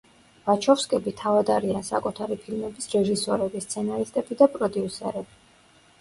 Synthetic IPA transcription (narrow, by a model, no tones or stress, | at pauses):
v̥at͡ʃʰɔfskʼɛbit̪ʰavad̪aɾiansakʼut̪ʰaɾipʰilmɛbisɾɛʒisɔɾɛbist̪sʰɛnaɾist̪ʼɛbid̪apʼɾɔd̪iusɛ̰ɾɛb̥i